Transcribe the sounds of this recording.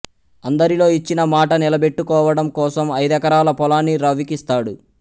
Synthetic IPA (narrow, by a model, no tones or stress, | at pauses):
ɐnd̪ɐɾilo̞ːit͡ʃːinɐmaːʈɐnilɐbe̞ʈːukɔːʋɐɽɐmkɔːsɐmɐjd̪ɛkɐɾaːlɐpɔlaːnːiɾɐʋikist̪aːɽu